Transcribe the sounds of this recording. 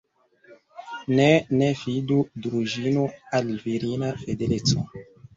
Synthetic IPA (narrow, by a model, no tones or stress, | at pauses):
nenefidudɾuʒinoalviɾinafedelet͡so